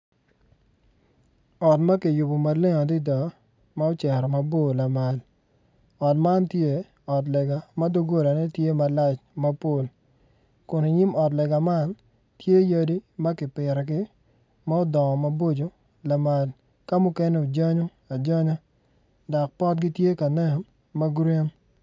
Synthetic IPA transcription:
ɔ˨tma˦ki˨jʊ˨bo˨ma˨lɪ˦ŋɔ˨dɪ˦dɔ˨ | ma˦o˦t͡ʃɛ˨ɾɔ˨mɐ˨bo˦˨la˨ma˨l | ɔ˨tma˦ntje˦ | ɔ˨t̬lɛ˨ɡa˨ma˦do˦ɡo˦ɾa˨nɛ˦tje˦ma˦la˦t͡ʃmɐ˦po˦˨l | kʊ˨ni˨ɲi˦mɔ˨tlɛ˨ɡa˨ma˦n | tje˦ja˦di˦mɐ˦kɪ˨pɪ˨ɾɛ˨ɡɪ˦ | ma˦ɔ˦dɔ˨ŋɔ˨mɐ˨bo˦d͡ʒo˨ | la˨ma˨l | ka˦mʊ˦kɛ˦ne˦o˨d͡ʒɔ˦ɲo˦ | a˨d͡ʒɔ˦ɲɔ˦ | dɔ˨k̚pɔ˦t̚ɡɪ˦tje˦ka˨nɛ˦˨n | ma˦ɡɾe˦n

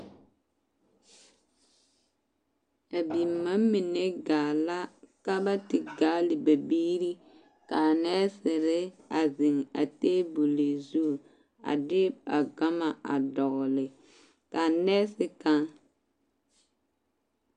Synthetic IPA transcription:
a˨bi˨mːa˦mi˨ne˦ɡaː˨la˦ka˦ba˦tɪ˨ɡaː˦lɪ˨ba˨biː˦ɾi˦ | ka˨nɛː˦sɪ˨ɾɪ˦a˨zɪ˨ŋa̰˨teː˦bu˨le˨zu˦˨ | a̰˨dɪ˦a̰˨ɡa˦ma˨ʔa̰˨dɔ˨ɣlɪ˨ | ka˨nɛː˦sɪ˦ka˦ŋ

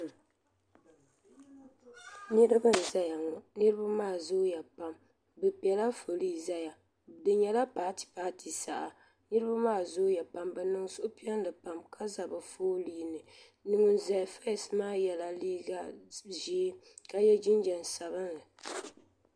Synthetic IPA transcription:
nɨ˦ɾɨ˦bɨ˦n̩˨za˦ja˨ŋɔ˨nɨ˦ɾɨ˦ba˦maː˦˨zo˦ja˨pa˨m | bɨ˨pɛ˨la˦fo˨li˦za˦ja˨ | dɨ˨ɲɛ˨la˦paː˨ti̥˨paː˦tʰi˨sa˨ʔa˨ | nɨ˦ɾɨ˦ba˦maː˦˨zʊ˦ja˨pa˨mbɨ˨nɨ˨ŋ˦sʊ˦ʔʊ˦pi˦ɛ˦n˦lɨ˨pa˨mkʰa˦za˨bɨ˨foː˦liː˦nɨ˨ | nɨ˨ŋɨ˨n̩˨za˨fa˦˨smaː˦jɛ˨la˨liː˦ɡa˦ʒiː˨˦ | ka˦jɛ˦d͡ʒi˦n˦d͡ʒɛ˨n˨sa˨βɨ˦nɨ˨

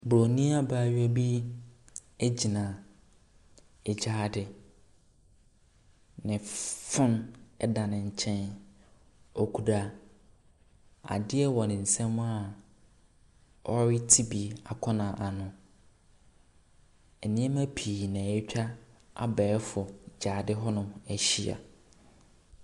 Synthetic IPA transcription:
bɾo˨nĩ˦a˦baː˦˨ɥa˦bi˦ | e˦d͡ʑi˨nã˨ | e˨d͡ʑaː˦a˦dɪ˨ | nɪ̃˨fʊ̃˦nɛ˦dã˨nɪ̃˨ɲ̩˨t͡ɕʰɛ̃˦n | ɔ˨kʰu˨da˨ | a̰˨dɪ˦ɛ˦wɔ˨nɪ̃˨n̩˨sɛ̃˦mʊ̃˦a˨ | ɔ˦ɾɪ˦tʰi˦bi˨a˨kʰɔ̃˦nã˨ʔa˨nʊ̃˨ | ɛ˨nɪ̃˦ɛ˦mã˦pʰi˨nã˨ɛ˦t͡ɕᶣa˦a̰˨bɛː˨˦fʊ˨d͡ʑaː˨dɪ˦ɦɔ˦nʊ̃˦æ˨ɕi˨a̰˨

